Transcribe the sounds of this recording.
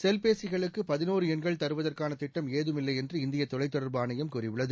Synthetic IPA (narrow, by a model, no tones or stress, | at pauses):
sɛlpeːsɪɣɐɭɯkːɯpɐðɪnoːɾɯɛnɡɐɭt̪ɐɾɯʋɐðɐrkaːnɐt̪ɪʈːɐmeːðɯmɪlːɐɪɛndrɯɪnd̪ɪjɐt̪ːɔɭɐɪt̪ːɔɽɐɾbɯaːnɐjɐmkuːrɪʋɯɭːɐðɯ